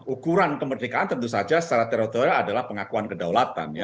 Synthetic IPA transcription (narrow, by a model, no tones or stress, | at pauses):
ukuɾankəmərdikaːnt̪ənt̪usad͡ʒasə̥t͡ʃaɾat̪eɾot̪oɾaːdalahpəŋakuankədawlat̪a̰nja